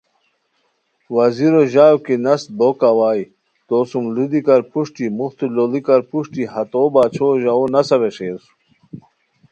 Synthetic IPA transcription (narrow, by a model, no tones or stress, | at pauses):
wɐziɾoʑaːwkinɐst̪̚bokawaːj | t̪osumlud̪ikɐɾpuʂʈimuxt̪ulolikɐɾpuʂʈiɦɐt̪oːbaːt͡ɕʰoːʑaonɐsɐβeʂeːsu̥